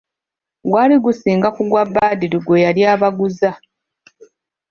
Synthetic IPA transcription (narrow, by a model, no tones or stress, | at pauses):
ɡwaːliɡusiːŋɡakuɡwabːaːdiɾiɡwe̞jaljaːβaɡuza